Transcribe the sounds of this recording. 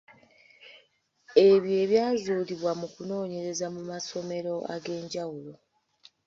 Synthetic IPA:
e̞βje̞ːβjaːzuːliβwamukuno̞ːɲe̞ɾe̞zamumaso̞me̞ɾo̞a̰ɡe̞ːɲɟawulo̞

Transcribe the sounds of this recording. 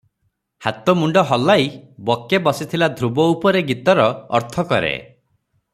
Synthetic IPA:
hat̪ɔmuɳɖɔɦɔlːajbɔkebɔsit̪ʰilad̪ʱɾubɔupɔɾeɡit̪ɔɾɔ̰ːɾt̪ʰɔkɔ̰ɾḛ

